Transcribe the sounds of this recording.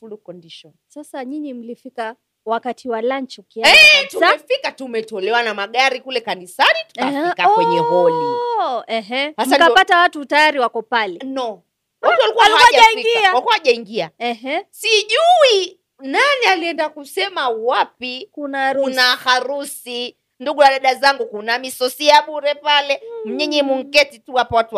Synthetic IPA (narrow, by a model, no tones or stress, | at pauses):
fulukɔndiʃɔnsasaɲiɲim̩lifika | wakatʰiwalaɲt͡ʃɔkiaɛtusaɛfikatumɛtɔlɛwanamaɠaɾikulɛkanisanitu̥kawɛɲɛhɔliɛɦhamsakapatawatutajaɾiwakɔpalɛnɔ | watualikuwaalkaaʄaaiŋiɡiawalkwahaʄaiŋɡiaɛɦsiʄui | nanialiɛndakusɛmawapikunaɾunahaɾusi | nduɠuaɗaɗazaŋɡukunamisɔsiaɓuɾɛpalɛm̩ɲɛɲɛmuŋ̩kɛtituwapawatua